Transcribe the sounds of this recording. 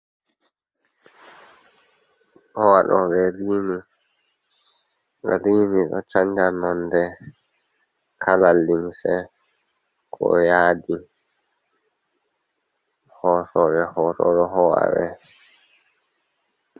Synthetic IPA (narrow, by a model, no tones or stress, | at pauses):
hɔwaɗɔɓɛɾiːni | ɾiːniɗɔt͡ʃaɲd͡ʒanɔndɛ | kʰalalːimsɛ | kʰɔ̰jaːdi | hɔsɔɾɛhɔɾɔ̰ɾɔɦɔwa̰wɛ